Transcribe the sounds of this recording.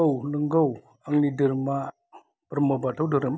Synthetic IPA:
awləŋɡaw | aŋnidɯɾma | pəɾmobatʰawdɯɾəm

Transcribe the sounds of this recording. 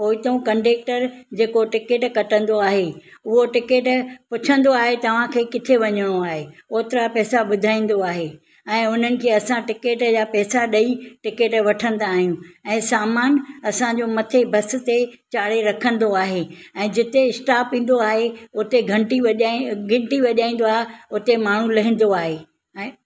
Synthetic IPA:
oːit̪ɐũkɐ̃ɳɖeːk̚ʈəɾd͡ʑeːkoʈɪkeːʈkɐʈə̃nd̪oaːɦeʊɦoʈɪkeːʈpʊt͡ɕʰə̃nd̪oaːɦet̪ɐʋ̤ãkʰeːkɪt̪ʰeʋɐɲəɽ̃oaːɦeoːt̪ɪɾapɛːsaɓʊd̪ʱaːĩːn̆d̪oaːɦe | ɛ̃ːʊn̤ənɪ̆kʰeːɐsãʈɪkeːʈd͡ʑaːpɛːsaɗɐiʈɪkeːʈʋɐʈʰə̃nd̪aːɦijũɛ̃ːsaːmaːnɐsãd͡ʑoːmɐt̪ʰebʱɐs̆t̪et͡ɕaːɽ̤eɾɐkʰə̃n̆d̪oaːɦe | ɛ̃ːd͡ʑɪt̪eɪsʈaːpĩːn̆d̪oaːɦeʊt̪eɡʱɐ̃ɳʈiɐʄɡʱɪ̃ɳʈiʋɐʄaːĩːn̆d̪oaːɦeʊt̪emaːɳ̤ũlɐɦĩːn̆d̪oaːɦe | ɛ̃ː

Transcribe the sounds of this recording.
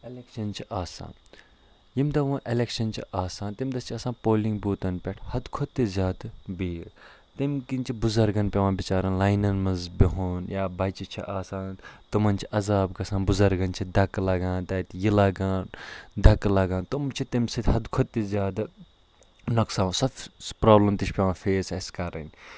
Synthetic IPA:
elekʃɐnt͡ʃʰiʔaːsa̰ːn | jimd̪ɐʋũːʔelekʃɐnt͡ʃʰiʔaːsaːnt̪imd̪ɐt͡ʃʰiɐsãːnpoːlĩŋɡbuːt̪ɐnpʲɛʈʰhɐd̪kʰot̪ːizʲjaːd̪biːt̪imkint͡ʃʰibʊzɐɾɡɐnpʲeʋãːbit͡ʃaːɾɐnlaːjnɐnmɐnzbiɦuːnjaːbɐjt͡ʃit͡ʃʰḭʔaːsaːnt̪ɐmɐnt͡ʃʰiʔɐzaːbkɐsãːnbʊzɐɾɡɐnt͡ʃʰid̪ɐklɐɡãːnt̪ɐːt̪jilaɡãːnd̪ɐklɐɡãːnt̪umt͡ʃʰit̪imsit̪ʲɦɐd̪kʰot̪̚t̪ːizʲjaːd̪ | nɐksãːsɐt̪ʰpɾaːblɐmt̪it͡ʃʰpʲeʋãːfeːsɐskɐɾɐ̰nʲ

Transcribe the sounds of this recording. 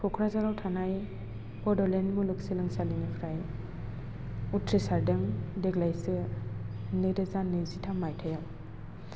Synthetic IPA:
pʰɔkʰɾazaɾawtʰanaj | bɔdɔlenmulɯksilɯŋsalinipʰɾaj | utʰɾisaɾdɯŋdeɡlajsɯ | niɾɯzanɯzitʰamajtʰajaw

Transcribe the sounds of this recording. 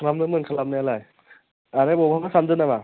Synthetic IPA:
kʰlamnɯmɯnkʰalamnajalaj | aɾebɔbʰʱamasamzɯnama

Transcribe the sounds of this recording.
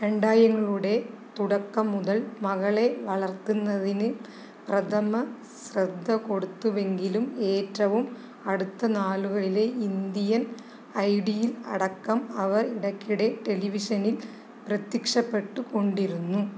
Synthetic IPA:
ɾeɳɖaːjɐŋːɐɭuɽe̞t̪uɽɐkːɐmːuðɐɭmɐɣɐɭe̞ʋɐɭɐrt̪ːunːɐðinɨ | prɐt̪ʰɐmɐ | srɐd̪ʱːɐko̞ɽut̪ːuʋe̞ŋɡilume̞ːtrɐʋum | ɐɽut̪ːɐnaːluɣɐɭile̞ind̪ijɐn | ɐjɽijilɐ̰ɽɐkːɐmɐʋɐriɽɐkːiɽe̞ʈe̞liʋiʂɐnil | prɐt̪jikʂɐpːe̞ʈːuko̞ɳɖiɾunːu

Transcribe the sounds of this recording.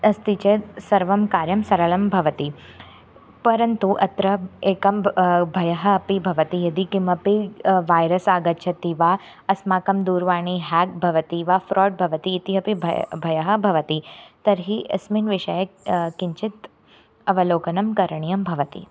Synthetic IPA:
ɐst̪it͡ʃet̪sɐɾʋɐmkaːɾjɐmsɐɾɐlɐmbʱɐʋɐt̪i | pɐɾɐnt̪uʔɐt̪ɾɐeːkɐmbʱɐjɐɦɐɐpibʱɐʋɐt̪ijɐd̪ikimɐpiʋaːjɾɐsaːɡɐtːt͡ʃʰɐt̪iʋa | ɐsmaːkɐmd̪uːɾʋaːɳ̃iɦɛːk̚bʱɐʋɐt̪iʋafɾɔːʈ̚bʱɐʋɐt̪iːt̪iɦɐpibʱɐjɐɦɐ̆bʱɐʋɐt̪it̪ɐɾɦiɐ̰sminʋɪʃɐjɐkiɲt͡ʃɪt̪ | ɐʋɐloːkɐnɐmkɐɾɐɳ̃ijɐmbʱɐʋɐt̪ḭ

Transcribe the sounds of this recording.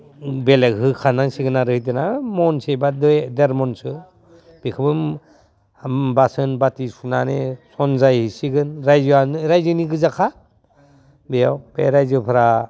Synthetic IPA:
belekɦɯkʰanaŋsiɡɯnaɾɯhijdɯnamɔnsebaddeɾmɔnsɯ | b̥ekʰɯbɯm | basɯnbatisunanesɔnzajhisiɡɯnɾajzanɾajzɯniɡɯzakʰa | bejawb̥eɾajzɯpʰɯɾa

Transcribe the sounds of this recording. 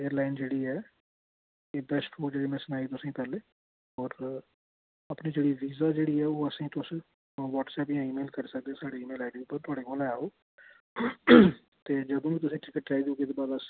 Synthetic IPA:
eːəɾlaːɪnd͡ʒeːɽiːɛː | eːbɛsʈʰfʰoːd͡ʒeːɽeːmɛ̃ːsʊnaːiːt̪ʊsĩːpɛːleː | ɔːɾ | apniːd͡ʒeːɽiːʋiːzaːd͡ʒeːɽiːɛːoːəsĩːt̪ʊs | ʋɔːʈsɛːpɪjãːiːmeːlkəɾsək̚d̪ẽːsaːɽeːiːmeːlaːɖiupːəɾt̪ʰʊaːɽeːkolaɛoː | t̪eːd͡ʒəd̪õːʋit̪̬ʊsĩːʈɪkəʈɾaːid̪oːɡeːd̪oːbaːd̪əs

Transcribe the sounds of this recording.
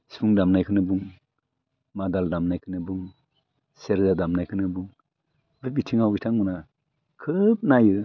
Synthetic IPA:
si̥pʰuŋdamnajkʰɯnɯbuŋ | madaldamnajkʰɯnɯbuŋ | seɾzadamnajkʰɯnɯbuŋ | bebitʰiŋawitʰaŋmuna | kʰɯp̚najɯ

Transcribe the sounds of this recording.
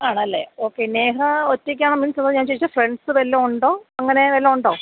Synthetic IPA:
aːɳɐlːe̞̰oːkːe̞neːɦɐotːek̬ʲːaːɳominsɐnɐðɲaːnɲt͡ɕejit͡ɕːafreɳɖsɨʋelːouɳɖo̞ːɐŋːɐne̞ʋelːoːuɳɖo̞ː

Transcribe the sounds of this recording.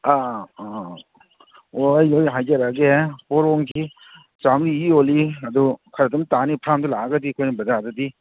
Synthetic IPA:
a | ojojɦajd͡ʒaɾaɡepɔɾɔŋkʰi | t͡ʃamɾiioliɐdukʰaɾadɔmtanipʰɾamdulaɡadikʰojnɐbɐd͡ʒadadi

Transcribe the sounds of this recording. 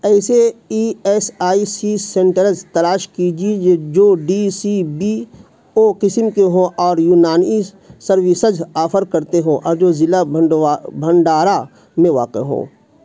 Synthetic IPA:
ɛːseiːɛːsaːisisẽɳʈəɾəzt̪ɐlaːʃkid͡ʒied͡ʒoːɖisibi | oːqɪsmkeɦõʔɔːɾjuːnaːni | səɾʋɪsəd͡ʒaːfʰəɾkəɾt̪eɦõʔɔːɾd͡ʒoːzɪla | bʱəɳɖaːɾa | mẽʋa̰ːqḛɦõ̰ː

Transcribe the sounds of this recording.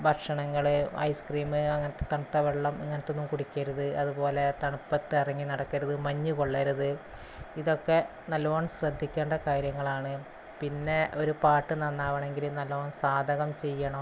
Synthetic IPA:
bʱɐkʂɐɳɐŋːɐɭɨɐ̰jskriːmɨɐŋːɐnɐt̪ːet̪ɐɳɐt̪ːɐʋeɭːɐmiŋːɐnɐt̪ːeonːumkuɽikʲːɐɾuðɨʔɐðupo̞ːle̞t̪ɐɳupːɐt̪ːɨirɐŋːinɐɽɐkːɐɾuðɨmɐɲːukoɭːɐɾuðɨ | iðo̞kːe̞ | nɐlːɐoːɳɕrɐd̪ʱːikʲːeːɳɖɐkaːɾjɐŋːɐɭaːɳɨ | pinːe̞o̞ɾupaːʈːɨnɐnːaːʋɐɳe̞ŋɡilnɐlːoːɳsaːd̪ʱɐɣɐmt͡ɕe̞jːɐɳɐ

